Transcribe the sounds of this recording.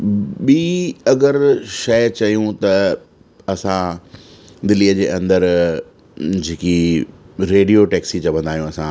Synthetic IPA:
ɓiːɐɡəɾʃɐjt͡ɕɐjũt̪ɐ | ɐsã | d̪ɪliːəd͡ʑeːʔɐ̃nd̪əɾ | d͡ʑeːki | ɾeːɖijoʈɛːksit͡ɕɐbʋʱə̃nd̪aːijũɐsã

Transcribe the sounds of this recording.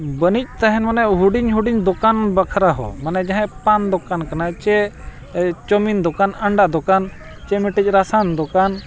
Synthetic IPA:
bənic̚ˀt̪aɦɛnmanɛɦuɖiɲɦuɖiɲd̪ɔkanbakʰɾaɦɔ̰manɛd͡ʒaɦɛ̃pand̪ɔkankanat͡ʃɛ | t͡ʃɔmind̪ɔkanəɳɖaʔd̪ɔkan | t͡ʃɛmɛʈic̚ˀɾasand̪ɔkan

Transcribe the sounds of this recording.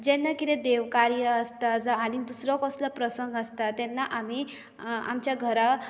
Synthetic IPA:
d͡ʑɛnːakit̪ɛ̃d̪eʋkaɾjəːst̪ad͡zaɽ̃id̪usɾɔkɔslɔpɾəsəŋɡəst̪at̪ɛnːaʔami | a̰mt͡ɕjaɡʱəɾa

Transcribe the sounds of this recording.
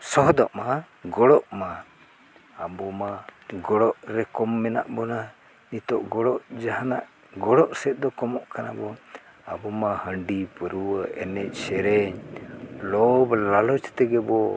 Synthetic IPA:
sɔɦd̪ɔʔma | ɡɔɽɔʔmaː | bɔmaɡɔɽɔʔɾɛkɔmːɛna̰ʔbɔna | nit̪ɔʔɡɔɽɔʔd͡ʒaɦanaʔ | ɡɔɽɔʔsɛt̪̚d̪ɔkɔmɔʔkana̰bɔ | abɔmahəɳɖipəɾuwəʔɛnɛc̚ˀsɛɾɛɲlɔblalɔt͡ʃt̪ɛɡɛbɔ

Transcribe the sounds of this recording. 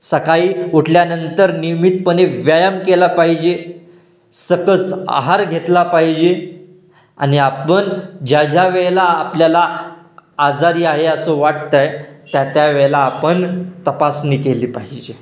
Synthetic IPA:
səkaiːuʈʰljanənt̪əɾnimit̪̚pəneʋjajəmkelapaɦid͡ʑe | səkəsa̰ɦaɾɡʱet̪lapaɦid͡ʑe | a̰niapənd͡ʑjad͡ʑaʋeɭlaːpljala | ad͡zaɾiːaɦeəsoʋaʈt̪ajt̪jat̪jaʋɛɭlaːpəɳt̪əpasniːkeliːpaɦid͡ʑe

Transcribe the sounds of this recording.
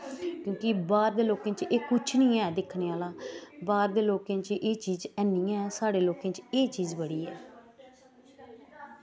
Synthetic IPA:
kjõːkɪbaːɾd̪eːloːkẽːt͡ʃeːkʊt͡ʃʰnĩːɛːd̪ɪkʰːneːaːlaːbaːɾd̪eːloːkẽːt͡ʃʔeːt͡ʃiːzɛːnːĩːɛːsaːɽeːloːkẽːt͡ʃeːt͡ʃiːzbəɽiːɛː

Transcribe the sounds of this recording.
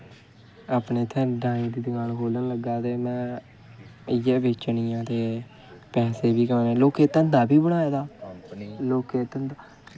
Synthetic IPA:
aːpneːt̪ʰɛ̃ːɖãːɪ̃ːd̪iːd̪əɡaːnkʰoːlənləɡaːt̪eːmɛ̃ː | əjɛːbeːt͡ʃənijãːt̪eː | pɛ̃ːseːbiːkənẽːloːkeːt̪ə̃nd̪aːbiːbəɽ̃aːeːd̪aː | loːkeːt̪ənd̪a

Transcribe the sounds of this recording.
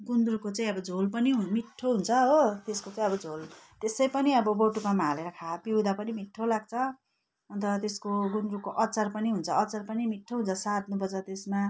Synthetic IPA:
ɡund̪rukot͡saĩʌbʌd͡zʱolpʌniɦumiʈʰːoɦunt͡sʰʌɦot̪eskot͡saĩʌbʌd͡zʱol | t̪esʌjpʌniʌbʌboʈukamaleɾʌkʰapiwd̪apʌnimiʈʰːolaɡ̚t͡sʰʌ | ʌnt̪ʌt̪eskoɡund̪rukoʔʌt͡sʌrpʌniɦunt͡sʰʌːt͡sarpʌnimiʈʰːoɦunt͡sʰʌsat̪̚nubʌd͡zat̪esma

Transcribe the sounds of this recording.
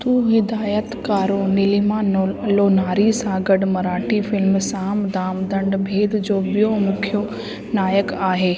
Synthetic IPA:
t̪uːɦɪd̪aːjət̪kaːɾõnɪlimãloːnaːɾisãɡəɖmɐɾaːʈʰifɪlmsãːmd̪aːmd̪ɐ̃ɳɖbʱeːd̪d͡ʑoːbijomʊkʰjo | naːjəkaːɦeː

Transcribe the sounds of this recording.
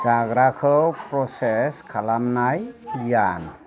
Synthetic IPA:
d͡ʒaɡɾakʰɯwpɾɔseskʰalamnajjan

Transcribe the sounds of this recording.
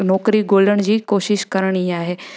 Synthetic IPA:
nɔːkɾiɡoːləɽ̃d͡ʑiːkoːʃɪʃkɐɾəɽ̃iaːɦeː

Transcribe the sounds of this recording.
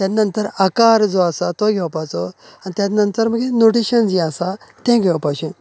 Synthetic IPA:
t̪janənt̪əɾakaɾd͡zɔasat̪ɔɡʱɛʋapat͡sɔanit̪ʲjanənt̪əɾməɡenoʈiɕənd͡ʑiasat̪ɛ̃ɡʱɛʋapaɕĩ

